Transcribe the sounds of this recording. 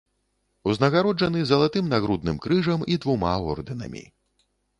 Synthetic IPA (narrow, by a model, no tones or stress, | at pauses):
uznɐɣaɾɔd͡ʐɐnɨzɐlˠat̪ɨmnaɣɾud̪nɨmkɾɨʐɐmid̪vuma̰ɔ̰rd̪ɨnɐ̰mʲḭ